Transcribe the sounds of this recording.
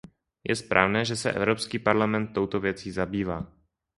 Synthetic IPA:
jʔɛ̰spɾʔa̰ːvnɛːʒɛsɛ̰ʔɛ̰vɾo̞pskiːpaɾlamɛnt̪ːo̞wt̪ovjɛt͡siːzabiːvaː

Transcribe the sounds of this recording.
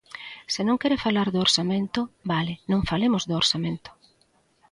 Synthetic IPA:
sɪnõŋkɛɾɪfalaɾðooɾsamẽnt̪ʊbalɪnõŋfalemʊzd̪ʊoɾsamẽnt̪ʊ̥

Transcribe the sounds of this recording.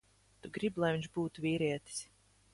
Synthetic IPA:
t̪uɡɾiblˠajviɲʲʒbuːt̪uvʲiːɾiɛt̪i̥s

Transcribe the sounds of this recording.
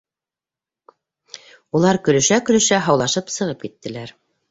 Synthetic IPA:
ulˠɑɾkɵ̆lɵ̆ʃækɵ̆lɵ̆ʃæɦɑwlˠɑʃɤpsɤ̆ʁɤp̚kit̪ːɘ̆læɾ

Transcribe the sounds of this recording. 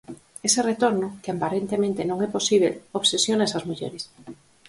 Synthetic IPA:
eseret̪oɾnʊkɪampaɾent̪emẽnt̪enõŋɛposiβ̞eloβsesjonesazmuʎḛɾɪs

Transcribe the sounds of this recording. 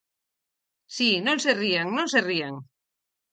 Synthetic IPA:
sinõnseriaŋnõnserieŋ

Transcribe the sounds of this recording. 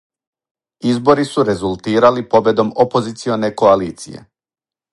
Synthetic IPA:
izbo̞ɾisuɾe̞zulˠt̪iːɾalipo̞be̞d̪o̞mopo̞zit̪sio̞ne̞ko̞aliːt̪sije̞̰

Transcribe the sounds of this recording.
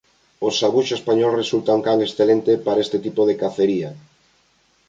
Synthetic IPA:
osːaβuʃespaɲɔlresult̪auŋkaŋesθelent̪epaɾaest̪et̪ipoðekaθeɾia

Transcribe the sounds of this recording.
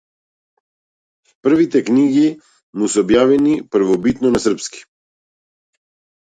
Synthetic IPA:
pr̩vit̪ɛkniɡi | musɛobjavɛnipɾ̩vɔbit̪nɔnasrpski̥

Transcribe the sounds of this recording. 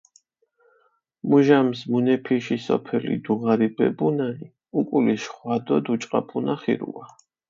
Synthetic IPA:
muʒamsmunɛpʰiʃisɔ̰pʰɛlḭd̪uʁaɾibɛ̰bunai | ukʼuliʃχwad̪ɔd̪ut͡ʃʼqʼapʰunaχḭɾṵa

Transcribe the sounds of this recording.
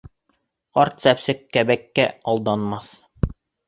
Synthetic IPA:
qɑɾt̪sæpsɘkːæbækːæɒlˠd̪ɑnmɑθ

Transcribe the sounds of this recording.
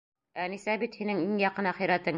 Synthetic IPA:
ænisæbit̪hinɘŋiŋjɑqɤ̆nɑχɤ̆jɾæt̪ɤŋ

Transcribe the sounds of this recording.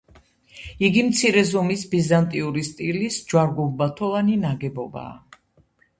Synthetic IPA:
iɡimt̪sʰiɾɛzɔmisbizant̪ʼiuɾist̪ʼilisd͡ʒwaɾɡulˠbat̪ʰɔlˠaninaɡɛbɔba̰ː

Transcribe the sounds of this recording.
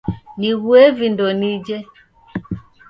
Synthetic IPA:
niɣwɛvindɔnid͡ʒɛ

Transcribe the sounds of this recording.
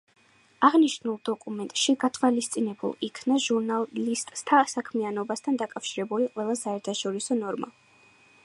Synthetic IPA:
aʁniʃnulˠd̪ɔkʼumɛnt̪ʼʃiɡat̪ʰwalist̪sʼinɛbṵlˠikʰnaʒuɾnalist̪ʼst̪ʰasakʰmianɔbast̪ʰand̪akʼafʃiɾɛbuliqʼwɛlˠasaɛɾt̪ʰaʃɔɾisɔnɔɾma̰

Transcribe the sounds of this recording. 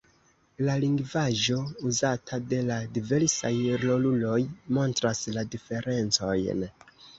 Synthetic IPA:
laliŋɡvaʒo̞uzatʰade̞ladive̞ɾsajɾlo̞lulo̞jmo̞ntɾasladife̞ɾe̞nt͡so̞̰jn

